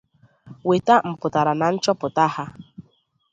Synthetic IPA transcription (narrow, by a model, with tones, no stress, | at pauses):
we˨ta˦m̩˨pʊ˨ta˨ɾa˨na˨n̩˦t͡ʃɔ˦pʊ˨ta˦ha˦